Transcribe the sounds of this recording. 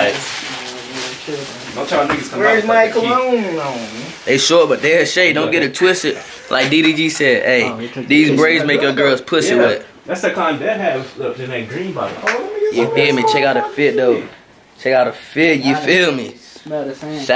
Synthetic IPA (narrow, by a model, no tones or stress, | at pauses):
ɪ | t͡ʃ | õtʰɹ̥aɪmiɨskʰʌ̃zmaɪkl̩ˠhõʊ̃mlõn | ðeɪʃɔɹt̚b̥ʌt̪̚ðəʃeɪdõʊ̃nɡɛɾɨtʰw̥ɪstɨt̚ | lʔa̰ɪk̚d̥iɾid͡ʒisɛdeɪðizbɹeɪzmeɪkə̃ɡɜ˞lˠz̥pʰʊsɨwɪt̚ | ðætsðɨkʰl̥ãɪ̃nðɨn̚ɨvlʌdɨ̃nɨɡɹĩnbaojɨhɪmit͡ʃʰɛkaʊɾəɨfɪt̚doʊ | t͡ʃʰɛkaʊɾəfɪtjɨfɪlˠmi